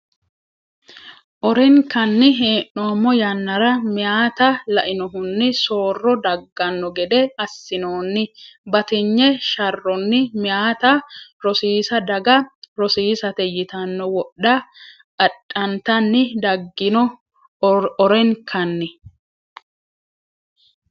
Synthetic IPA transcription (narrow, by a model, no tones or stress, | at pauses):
ʔɔɾɛŋkɐnːɪɦeːʔomːɔjɐnːɐɾɐmɪjaːt̪ɐlɐʔɪnɔɦʊnːɪso̞ːrːɔd̪ɐɡːɐnːɔɡɛd̪ɛɐsːɪnoːnːɪbɐt̪ɪɲːɛʃɐrːɔnːɪmɪjaːt̪ɐɾɔsiːsɐd̪ɐɡɐɾɔsiːsɐt̪ɛjɪt̪ɐnːɔwɔɗɐ | ʔɐɗʼːɐnt̪ɐnːɪd̪ɐɡːɪnɔ | ɔɾɛŋkʰɐnːɪ